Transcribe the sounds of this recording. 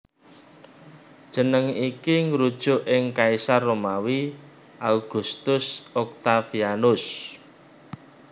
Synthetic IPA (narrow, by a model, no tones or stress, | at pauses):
d̥ʒ̥ə̤nəŋikiŋɾud̥ʒ̥ʊ̤ʔɪŋkaisarːomawi | ʔalɡ̥ṳst̪ʊsɔk̚t̪afianʊs